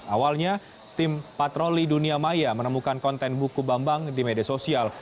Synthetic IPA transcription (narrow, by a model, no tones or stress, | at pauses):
awalɲa | t̪ɪmpat̪ɾoliduniamajamənəmukankɔnt̪ɛnbukubambaŋdimediasosial